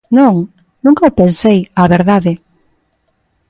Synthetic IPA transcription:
nõŋ | nũŋkaopensejaβeɾðaðɪ

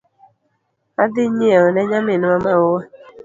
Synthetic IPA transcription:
adɪɲiaɔnɛɲamɪnamawa

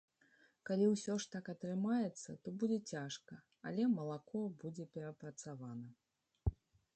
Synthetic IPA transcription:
kalʲiwsʲɔʂt̪akɐt̪ɾɨmajɛt̪sːɐt̪ɔbud͡zʲɛt͡sʲaʂkɐ | alʲɛmɐlˠakɔbud͡zʲɛpʲɛɾɐpɾɐt̪savanɐ

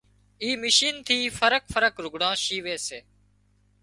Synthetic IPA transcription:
iːmɪʃiːnt̪ʰiːfʰəɾəkfʰəɾəkɾʊɡɽãːʃiːʋeːseː

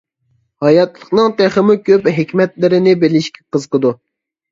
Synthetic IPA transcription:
hɑjɑt̪lˠəχnɨŋt̪ɛχəmukʲʰøpɦekʲmɛt̪lɪɾɪnɪbelɪʃkʲi̥qəzqəd̪u

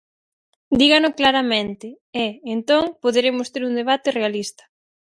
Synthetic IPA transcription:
d̪iɣanʊklaɾamẽnt̪ɪ | ɛːnt̪oŋpoðeɾemʊst̪eɾund̪eβ̞at̪ɪrealist̪ɐ̥

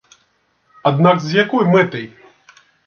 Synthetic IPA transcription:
ad̪naɡzʲjakɔjmɨt̪ɨj

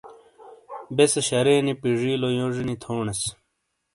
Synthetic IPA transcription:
beseɕɐɾeːnipiʐiːlojoʐinit̪ʰoːɳes

